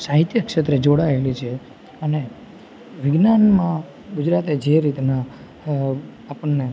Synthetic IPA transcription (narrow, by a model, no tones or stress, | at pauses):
saɦit̪jəkʃət̪ɾəd͡ʒoɽaelit͡ʃʰe | əne | ʋɪɡnanmã | ɡud͡ʒɾat̪ed͡ʒeɾit̪na | apəɳːe